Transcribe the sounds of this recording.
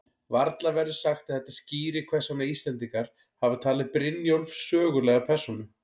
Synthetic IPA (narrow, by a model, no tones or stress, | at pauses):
vaɾt̪lavɛɾðʏ̥saxt̪aðθhɛht̪asciːɾɪkʰvɛsamɛist̪lɛnt̪̬iŋkaɾ̥ | havʏt̪ʰaːlɪpɾɪnjolvsœːɣʏlɛɣapʰɛr̥sunʏ